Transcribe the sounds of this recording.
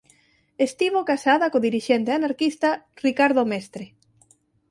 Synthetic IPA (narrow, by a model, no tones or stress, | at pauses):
est̪iβ̞okasaðakoðiɾiʃent̪eanaɾkist̪arikaɾðomest̪ɾe